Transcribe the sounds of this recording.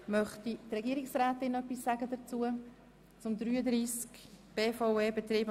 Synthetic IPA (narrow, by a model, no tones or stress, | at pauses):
mœχtit̪rɛɡiəɾiksraːt̪ɪnœpːisːaɡəd̪ət͡suə | t͡sʊmd̪ɾyːəd̪ɾiːskb̥eːfoʊeːbet̪riːb